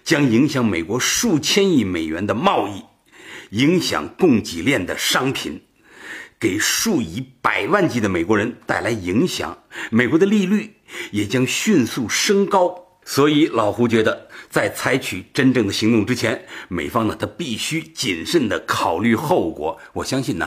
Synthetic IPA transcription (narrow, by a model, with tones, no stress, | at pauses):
t͡ɕjɑ˥ŋi˧˥ŋɕjɑ˧˥ŋme˨˩ɪkwɔ˧˥ʂu˥˩t͡ɕʰjɛ˥ni˥˩me˨˩ɪɥɛ̰˧˥nd̪ə˧mɑ˥˧ʊi˥˩ | i˧˥ŋɕjɑ̰˨˩˦ŋkʊ˥˩ŋt͡ɕi˨˩ljɛ˥˩nd̪ə̰˩ʂɑ˥ŋpʰḭ˨˩˦n | ke˨˩ɪʂu˥˩i˧˥pa˨˩ɪwa˥˩nt͡ɕi˧˥˩d̪ə˧me˨˩ɪkwɔ˧˥ɻə˧˥nt̪a˥˩ɪla˧˥ɪi˧˥ŋɕjɑ̰˨˩˦ŋme˨˩ɪkwɔ˧˥d̪ə˧li˥˧ly˥˩ | jɛ˨˩t͡ɕjɑ˥ŋɕy˥˧nsu˥˩ʂɤ˥ŋkɑ˥ʊ | swɔ˧˥i˧˥lɑ˨˩ʊxu˧˥t͡ɕɥɛ˧˥d̪ə˧t͡sa˥˩ɪt͡sʰa˧˥ɪt͡ɕʰy˨˩ʈ͡ʂə˥nʈ͡ʂɤ˥˩ŋd̪ə˩ɕi˧˥ŋt̪ʊ˥˩ŋʈ͡ʂɻ̩˥t͡ɕʰjɛ˧˥nme˨˩ɪfɑ˥ŋnə˨t̪ʰa˥pi˥˩ɕy˥t͡ɕi˨˩nʂə˥˩nd̪ə˩kʰɑ˨˩ʊly˥˧xo˥˩ʊkwɔ̰˧˥wɔ˨˩ɕjɑ˥ŋɕi˥˩nə̰˩